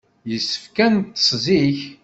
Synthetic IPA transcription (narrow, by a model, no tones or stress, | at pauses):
jəsːə̥fkænt̪ːsˤziç